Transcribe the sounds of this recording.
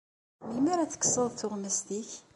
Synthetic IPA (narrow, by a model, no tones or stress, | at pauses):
məlmæɾæθə̥kːə̥sˤəðˤθʊʁməst̪iç